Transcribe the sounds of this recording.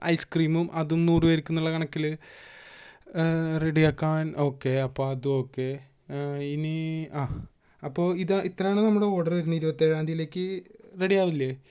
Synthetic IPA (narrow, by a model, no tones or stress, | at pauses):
ʔɐ̰jskriːmumʔɐðumnuːrɨʋɐɾikʲːunːuɭːɐkɐɳɐkːil | reɽijaːkːaːno̞ːkːe̞ɐpːo̞ːɐðuo̞kːe̞ | iniaː | ɐpːo̞ːiðaʔit̪ːrɐjaːɳɨnɐmːuɽe̞o̞ːɽɐrʋɐɾunːiɾubɐt̪ːeɻaːnd̪ʱijile̞ːkːɨreɽijaːʋilːɐ